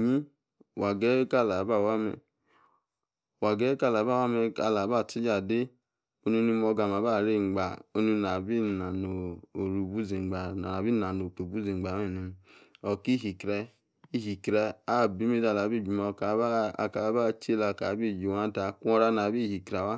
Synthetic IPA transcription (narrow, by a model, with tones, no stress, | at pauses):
ɲi˦˨ | wa˨ɡɛ˦ka˦˨la˨˦ba˦˨wa˦mɛ̰˧ | wa˨ɡɛ˦ka˦˨la˨˦ba˦˨wa˦mɛ˧ka˧˨la˨˦ba˦˨ti˦d͡ʒa˨de˦ | o˦ni˧˦˧ni˧mɔ˧ɡa˨ma˨˦ba˦˨ɾe˦˨ŋ͡mɡ͡ba˨o˧ni˧na˨bi˦na˨no˨o˨ɾu˨bu˦zi˨ɡ͡ba˨na˨na˨bi˦na˨no˨k͡po˨bu˦zi˨ŋ͡mɡ͡ba˨me˦˨nu˨ɔ˨ki˦ɦi˨kɾɛ˧ | i˦ɦi˨kɾɛ˧a˦˨bi˨˦me˦da˧˨la˨˦bi˦˨d͡ʒu˨mo˧˨ka˨˦ba˦˨ka˨˦ba˦t͡ʃe˦la˧˨ka˨˦bi˦˨d͡ʒu˨wa˦ta˧kɔ˧ɾa˧na˨bi˦˨hi˨kɾa˨wa˦